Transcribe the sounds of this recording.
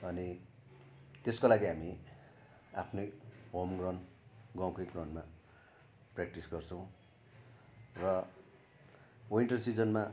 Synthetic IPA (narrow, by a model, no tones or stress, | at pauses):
ʌni | t̪eskolaɡiɦami | apʰnojɦomɡrʌnɡʌwkʌjɡrʌnma | prak̚ʈisɡʌrt͡sʰʌ̃w̃ | rʌ | oiɳʈʌrsid͡zʌnma